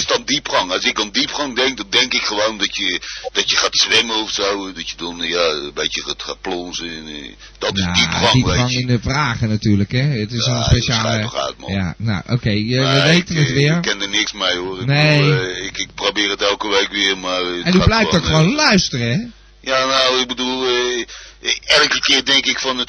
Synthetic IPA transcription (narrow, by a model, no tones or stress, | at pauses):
ɪsdɔndipχɔŋɔsɪk̚dɔndipχɔŋdɛŋk̚dɔndɛŋkɪkxəʋoːndɔtjəd̥ɔtjəχaːtsʋɪməɔfsowdɔtjədɔnjabetjəatxat̚plɔnzən | dɔtɪsadipŋdipeɔŋɪndəfraːɣənatyːɹləkɛətɪsonspeʃaːlːəa̰ːtmɔ̰ja̰na̰ʔo̰ːkejəʋəʋejtənətʋɪərkːɛndərnɪksmɛjoərɪneɪkɪk̚probɪːrətɛlˠkəʋejkʋɪərmarɛndublɛjfdɔχəʋonlœɥstərəɛ | janowɪk̚bədulˠ | ɛlˠkəkɪərdɛŋkɪkfɔnət